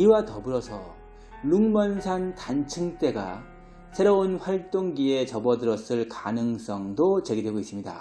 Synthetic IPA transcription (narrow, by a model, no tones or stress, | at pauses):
iwatʌbɯɾʌsʰʌ̰ | luŋmʌnsʰantant͡ɕʰɯŋt͈e̞ɡa̰ | sʰe̞ɾounɸwaɭt͈oŋɡie̞t͡ɕʌbʌdɯɾʌs͈ɯɭkanɯŋs͈ʌŋdot͡ɕe̞ɡidwe̞ɡois͈ɯmɲida̰